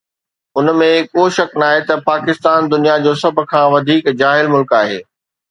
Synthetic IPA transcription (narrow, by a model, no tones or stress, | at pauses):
ʊnmẽkoːʃɐknaːɦet̪ɐpaːkɪst̪aːnd̪ʊnijad͡ʑoːsɐbʱʊ̆kʰãːʋɐd̪ʱiːkd͡ʑaːɦɪlmʊlkaːɦḛː